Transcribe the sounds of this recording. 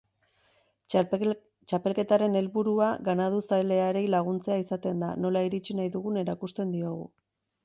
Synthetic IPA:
t͡ʃape̞lke̞t̪aɾe̞ne̞lβuɾuaɣanaðusale̞aeɾe̞jlaɣ̞unt͡se̞aisat̪e̞nd̪a̰no̞laiɾit͡ʃinajðuɣune̞ɾakust̪e̞nd̪io̞ɣ̞ṵ

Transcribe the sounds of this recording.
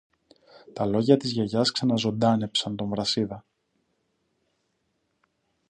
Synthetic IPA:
t̪ɐlo̞ʝɐt̪izʝeʝɐsksɐnɐzo̞nd̪ɐne̞psɐnt̪o̞ɱvɾɐsiðɐ

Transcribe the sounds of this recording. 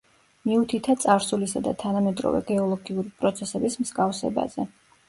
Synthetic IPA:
miut̪ʰit̪ʰat̪sʼaɾsulisad̪a̰t̪ʰanamɛd̪ɾɔ̰vɛ̰ɡɛɔlˠɔɡiuɾipʼɾɔt̪sʰɛsɛbismz̥ɡafsɛ̰ba̰zɛ

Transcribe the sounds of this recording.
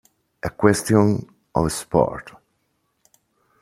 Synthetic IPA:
əkwɛst̪jɔ̃n | ɔ̰vəspɔ̰ɹt

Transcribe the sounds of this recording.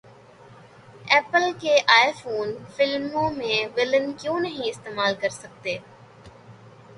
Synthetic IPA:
ɛːpəlkeːʔaːɪfoːnfɪlmõmẽʋɪlənkjõːnɐɦĩɪst̪eːmaːlkɐɾsɐk̚t̪eː

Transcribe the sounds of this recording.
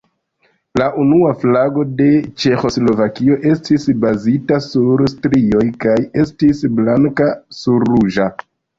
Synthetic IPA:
laʔunuaflaɡo̞de̞t͡ʃe̞xo̞slo̞vakio̞ʔe̞stisbazitasuɾstɾio̞jkaje̞stisblaŋkasuɾːuʒa

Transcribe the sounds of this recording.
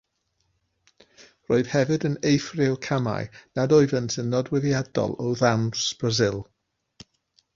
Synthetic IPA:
roɨð̥hɛvɨdənejfrɪwkʰama̰jnadɔɨvəntʰənːɔdwɛðiad̥ɔ̰lˠɔwðamsb̥razɪlˠ

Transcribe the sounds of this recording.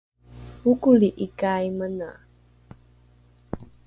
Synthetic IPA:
ukuliʔikajmənə̰

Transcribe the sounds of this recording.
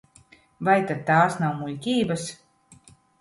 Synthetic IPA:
vajt̪ad̪̚t̪aːsnawmulʲkʲiːbas

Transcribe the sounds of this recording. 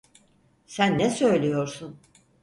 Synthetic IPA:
sænːɛsø̞jlʲijo̞ɾsun

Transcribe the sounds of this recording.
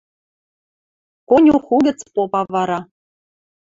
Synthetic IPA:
konʲuχuɡʲɘ̆t͡spopɑvɑɾɑ

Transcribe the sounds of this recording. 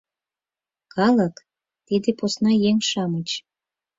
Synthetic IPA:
kɑlək | t̪id̪eposnɑjeŋʃɑmət͡ɕ

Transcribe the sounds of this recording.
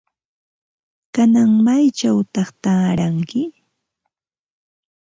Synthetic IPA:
kanaŋmajt͡ʃawt̪ɑχt̪aːɾaŋkɪ

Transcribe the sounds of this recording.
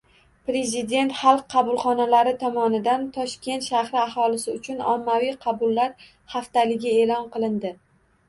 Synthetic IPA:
pɾe̞zɪd̪e̞nt̪χɑlˠqʰːɑbʊlˠχɒnalaɾɪt̪ʰɒmɒnɪd̪ant̪ʰɒʃkʲe̞nt̪ʃahɾɪaɦɒlˠɪsɪʊt͡ʃʰʊnɒ̰mːavijqʰɑbʊlːaɾ | haft̪alɪɡʲɪe̞lɒnqɨlˠɪnd̪ɪ

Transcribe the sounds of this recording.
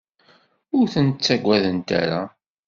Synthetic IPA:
ʊɾθənt̪t͡sːæɡʷæðənt̪æ̰ɾa

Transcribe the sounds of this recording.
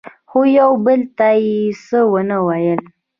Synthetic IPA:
xojawbəlt̪ajesəwənəwajəl

